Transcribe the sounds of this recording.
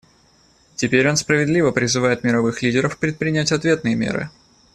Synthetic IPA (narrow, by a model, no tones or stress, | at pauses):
tʲɪpʲeɾʲo̞nspɾəvʲɪd̪lʲivəpɾʲɪzɨvajɪt̪mʲɪɾɐvɨxlʲidʲɪɾəfpɾʲɪt̪̚pɾʲɪnʲætʲɐt̪vʲe̞t̪nɨjəmʲḛɾɨ̰